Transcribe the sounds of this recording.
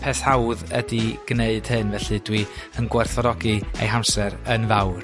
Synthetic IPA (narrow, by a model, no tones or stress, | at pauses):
pʰeθhawðədiɡ̥neɨd̥hɨnvɛɬɨdwiənɡwarθɔɾɔɡiḛjɦamsɛɾənvawr